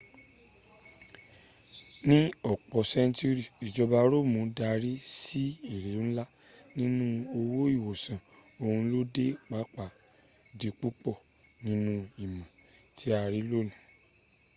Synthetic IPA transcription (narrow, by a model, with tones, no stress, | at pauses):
nĩ˦ɔ˦˨k͡pɔ˨sɛ̃˦n˦tu˦ɾi˨i˨d͡ʒɔ˧ba˧ɾo˦˨mũ˧˦da˧ɾi˦si˦i˦˨ɾe˨˦ñ̩˦la˦ | nĩ˦nũ˦o˧wo˦i˦˨wo˨sã˨o˧hũ˧˦lo˦de˦k͡pa˨˦k͡pa˨ | di˧k͡pu˦k͡pɔ˦˨ | nĩ˦nũ˦i˨mã˨ | tʰi˦a˧ɾi˦lo˦˨nĩ˨